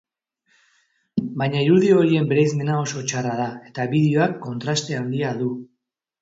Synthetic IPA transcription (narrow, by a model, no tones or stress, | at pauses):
bajɲaiɾuðiooɾie̞mbe̞ɾajzme̞nao̞so̞t͡ʃarað̞ae̞t̪aβiðeo̞akːo̞nt̪ɾast̪e̞and̪iaðu